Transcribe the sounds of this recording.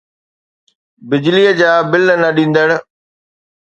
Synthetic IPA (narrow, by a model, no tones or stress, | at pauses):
bɪd͡ʑliəd͡ʑaːbɪlnɐɗĩːn̆d̪əɽ̃̆